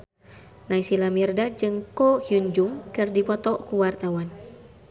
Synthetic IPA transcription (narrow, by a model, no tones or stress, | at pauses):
naisilamirdad͡ʒɨŋkɔhjuɲd͡ʒuŋkɨrdipɔt̪ɔkuwart̪awan